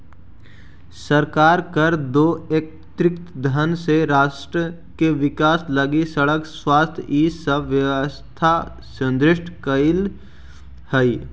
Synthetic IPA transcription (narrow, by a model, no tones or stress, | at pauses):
səɾkaːɾkəɾd̪oːeːk̚ | t̪ɾɪkt̪d̪ʱənseɾaːʃʈɾə | keʋɪkaːsləɡisəɽəkswaːst̪ʰjiːsəʋjəʋəst̪ʰa | sə̃nd̪ɾɪʃʈʰkəɪl | həi